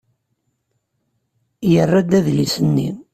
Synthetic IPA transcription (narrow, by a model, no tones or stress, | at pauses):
jərːæd̪æðlisənːḭ